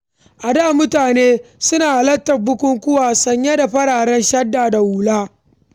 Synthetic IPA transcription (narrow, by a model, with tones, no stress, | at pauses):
ʔa˨daː˦˨mʊ˦taː˨neː˦sʊ˦naː˨ʔlɐ˦tːɐ˨b̚bʊ˦kʷʊ˦ŋkʷʊ˦waː˨sɐ˨ɲja˦da˨ɸɐ˦ɽaː˨ɽɛ˦nʃɐ˦dːaː˨da˨wuː˨laː˦